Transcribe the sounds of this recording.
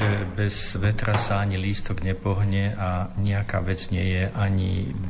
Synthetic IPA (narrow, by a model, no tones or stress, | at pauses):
ɛbɛz̥ʋɛt̪ɾʔasaaɲiliːst̪ɔɡɲɛpɔɦɲɛʔaɲɛaka̰ːʋɛd͡zɲɪɛjɛʔaɲḭ